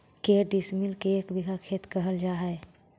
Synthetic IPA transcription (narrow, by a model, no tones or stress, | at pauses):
keːɖismilkeekbiɡʱakʰeːt̪kəɦəld͡ʒaːɦɛ